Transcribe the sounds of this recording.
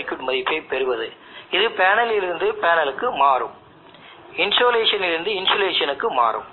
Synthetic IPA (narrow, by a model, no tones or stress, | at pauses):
ɪkjuʈmɐðɪpːeːpɛɾɯʋɐðɯ | ɪðɯpeːnɐlɪlɪɾɯnd̪ɯpeːnɐlɯkːɯmaːrɯ̰m | ɪnsoːleːʂɐnɪɾɯnd̪ɯɪnsoːleːʂɐnɯkːɯma̰ːrɯ̰m